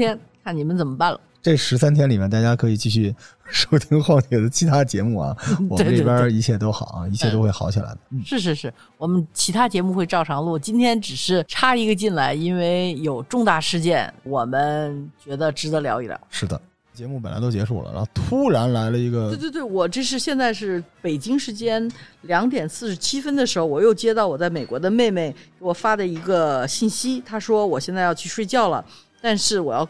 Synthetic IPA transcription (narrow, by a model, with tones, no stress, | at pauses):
ɛ˥nkʰa˥˩nni˨˩mə˦nt͡sə˨˩nmə˦pa˥˩nlə̰˩ʈ͡ʂɤ˥˩ʂɻ̩˧˥s̬a˥nt̪ʰjɛ˥nli˨˩mjɛ˥˧nt̪a˥˩t͡ɕja˥kʰɤ˧˥i˨˩t͡ɕi˥˧ɕ̬y˥˩ʂo˥˩˥ʊt̪ʰi˥ŋxwɑ˥˩ŋt̪ʰjɛ˨˥˩d̪ə˦t͡ɕʰi˧˥t̪ʰa˥t͡ɕjɛ˧˥mu˥˩ɐ̰˩ɔ˨˩m˥˧ə˦ʈ͡ʂpjə˥i˧˥t͡ɕʰjɛ˥˩t̪o˥ʊxɑ̰˨˩˦ʊɐ̰˦i˧˥t͡ɕʰjɛ˥˧t̪o˥ʊxwe˥˩ɪxɑ˧˥ʊt͡ɕʰi˨˩la̰˧˥ɪd̪ə˧˥˩ʂɻ̩˥˧ʂ̬ɻ̩˥˧ʂɻ̩˥˩ | wɔ˨˩mə˦nt͡ɕʰi˧˥t̪ʰa˥t͡ɕjɛ˧˥mu˥˧xwe˥˧ɪʈ͡ʂɑ˥˩ʊʈ͡ʂʰɑ˧˥ŋlwɔ˥˩t͡ɕi˥nt̪ʰjɛ˥nʈ͡ʂɻ̩˨˩ʂɻ̩˥˩ʈ͡ʂʰa˥i˧˥ɡə˧t͡ɕi˥˩nla˧˥ɪi˥nwe˥˧˩ɪjo˨˩ʊʈ͡ʂʊ˥˧ŋt̪a˥˧ʂɻ̩˥˧t͡ɕjɛ˥˩nwɔ˨˩mə˧˦nt͡ɕɥɛ˧˥d̪ə˧ʈ͡ʂɻ̩˧˥t̪ə˧˥ljɑ̰˧˥ʊḭ˨˩lja̰˧˥˦ʂɻ̩˥˩d̪ə̰˩ | t͡ɕjɛ˧˥mu˥˩pə˨˩nla̰˧˥ɪt̪o˥ʊt͡ɕɛ˧˥ʂu˥˩lə̰˦na̰˧t̪ʰu˥ɻa˧˥nla˧˥ɪlə˧i˧˥ɡə˧˥˧t̪wt̪we˥˩ɪwɔ˨˩ʈ͡ʂɤ˥˧ʂ̬ɻ̩˥˧ɕjɛ˥˧nt͡sa˥˧ɪʂ̬ɻ̩˥˩pe˨˩ɪt͡ɕi˥ŋʂɻ̩˧˥t͡ɕjɛ˥nljɑ˧˥ŋt̪jɛ˨˩nsɹ̩˥˩ʂɻ̩˧t͡ɕʰi˥fə˥nd̪ə˨ʂɻ̩˧˥xo˧ʊwɔ˨˩jo˥˩ʊt͡ɕjɛ˥t̪ɑ˥˩ʊwɔ˨˩t͡sa˥˩ɪme˨˩ɪkwɔ˧˥d̪ə˧me˥˧ɪme˥˩ɪkke˧˥wɔ˨˩fa˥d̪ə˨i˧˥ɡə˧ɕi˥˩nɕi˥t̪ʰa˥ʂwɔ˥wɔ˨˩ɕjɛ˥˧nt͡sa˥˧ɪjɑ˥˧ʊt͡ɕʰy˥˧ʂwe˥˧ɪt͡ɕjɑ˥˩ʊlə̰˩ | t̪a˥˧nʂɻ̩˥˩wɔ˨˩jɑ˥˩˧ʊ